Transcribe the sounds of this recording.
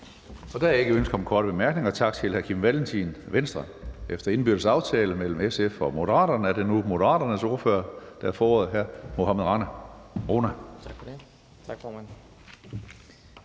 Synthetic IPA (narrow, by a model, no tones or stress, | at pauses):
ɒ̽d̥æe̝ɡ̥əønsɡ̥ɐɒ̽mkʰɒːɾəb̥e̝mæɐɡ̥ne̝ŋɐt͡sʰɑ̈ɡ̥t͡sʰe̝lhæɐkʰimʋælnt͡sʰinʋensd̥ʁɐ | efd̥ɐe̝nb̥yɐd̥əsɑ̈ʊt͡sʰɛːləmel̰m̩esefɒ̽mo̝d̥əʁɑ̰̈ːɾɐnəæɐdenumo̝ɾəʁɑ̰̈ːɾ̥ɐnəso̝ɐføːɐd̥æɐfɒːɒ̰ːð̩ˠɦæɐ̰mo̝ɦæmeðˠʁɑ̈næʁo̝ːnæ̥ | ɡ̥fːmæn